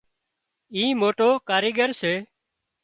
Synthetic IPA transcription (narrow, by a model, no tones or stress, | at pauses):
ĩːmoːʈoːkaːɾiːɡəɾseː